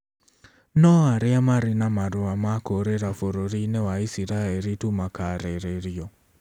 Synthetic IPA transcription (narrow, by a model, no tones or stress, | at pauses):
nɔaɾeamaɾinamaɾoamakoɾeɾafoɾoɾinewaisiɾaeɾitumakaɾeɾeɾijɔ